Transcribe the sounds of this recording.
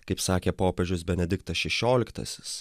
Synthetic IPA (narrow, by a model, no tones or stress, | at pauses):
kɐɪpsɑːkʲepoːpʲɛʒʲʊsbʲɛnʲɛd̪ʲɪkt̪ɐsʃʲɛʃʲoːlʲɪkt̪ɐ̰sʲɪ̥s